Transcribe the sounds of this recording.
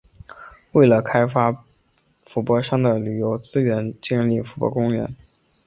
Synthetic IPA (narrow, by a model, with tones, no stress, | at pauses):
we˥˩ɪlə˩kʰa˥ɪfa˥ | fu˧˥pwɔ˥˧ʂɑ˥ŋd̪ə˨ly˨˩jo˧˥ʊt͡sɹ̩˥ɥɛ˧˥nt͡ɕɛ˥˧nli˥˩fu˧˥pwɔ̰˥˧kʊ˥ŋɥɛ̰˧˥n